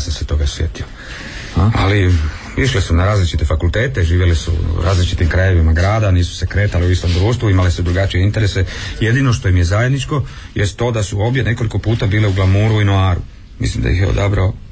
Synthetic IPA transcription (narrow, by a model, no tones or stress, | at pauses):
asamset̪o̞ɡasʋje̞t̪io | a̰li | iʃlisunaɾaːzlit͡ʃit̪e̞fakult̪e̞ːt̪e̞ʒiːʋjelisṵɾʔa̰ːzlit͡ʃit̪imkɾaje̞ʋimaɡɾaːd̪aniːsu̥se̞kɾe̞ːt̪aleuist̪o̞md̪ɾuːst̪ʋuimalesud̪ɾuɡat͡ʃije̞int̪e̞ɾe̞se̞je̞d̪ino̞ʃt̪o̞imje̞zajed̪nit͡ʃko̞ | jest̪ːo̞ːd̪asuo̞ːbdjene̞ko̞liko̞puːt̪abiːleuɡlˠamuːɾuinoaːɾu | mḭslimd̪a̰jixjeod̪abɾao